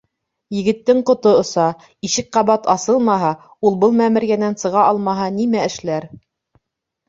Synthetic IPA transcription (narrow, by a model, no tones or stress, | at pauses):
jɘ̆ɡɘ̆t̪ːɘŋqŏt̪oŏsɑ | iʃɘk̚qɑβɑt̪ɑsɤlˠmɑɦɑ | ulˠbɤlˠmæmɘ̆ɾɡænænsɤ̆ʁɑʔɑlˠmɑɦɑnimæɘ̆ʃlæɾ